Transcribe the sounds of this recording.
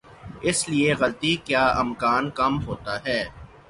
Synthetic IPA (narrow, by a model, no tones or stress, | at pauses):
ɪslieɣɐlt̪ikjaːʔɪmkaːnkɐmɦoːt̪aɦɛː